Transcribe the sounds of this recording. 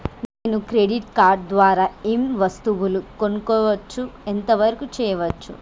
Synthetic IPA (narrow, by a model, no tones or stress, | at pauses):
neːnukɾeɖiʈkaːɾɖ̚d̪ʋaːɾaːemʋɐst̪uʋulukonukɔːʋɐt͡ʃːuent̪ɐʋɐɾɐkut͡ʃɛːjɐʋɐt͡ʃːṵ